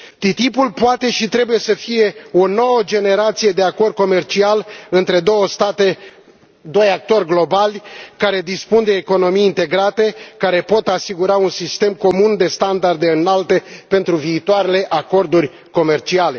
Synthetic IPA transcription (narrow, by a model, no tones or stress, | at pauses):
t̪it̪ipulpoat̪e̞ʃit̪ɾe̞buje̞səfije̞o̞no̞wəd͡ʒe̞ne̞ɾat̪sije̞d̪e̞ako̞rd̪̚ko̞me̞rt͡ʃialɨnt̪ɾe̞d̪o̞wəst̪at̪e̞ | d̪o̞jak̚t̪o̞rʲɡlo̞balʲkaɾe̞d̪ispund̪e̞ːko̞no̞miːnt̪e̞ɡɾat̪e̞kaɾe̞po̞t̪asiɡuɾaunsist̪e̞mko̞mund̪e̞st̪and̪ard̪e̞ɨnalt̪e̞pe̞nt̪ɾuviːt̪oaɾe̞le̞ʔako̞rd̪urʲ | ko̞me̞rt͡ʃiale̞